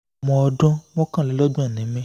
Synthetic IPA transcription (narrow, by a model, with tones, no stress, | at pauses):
mɔ̃˧ɔ˧dɔ̃˦mɔ̃˦kã˦˨le˨˦lɔ˦dũ˦ɛ˦˨nɛ̃˨˦mɛ̃˦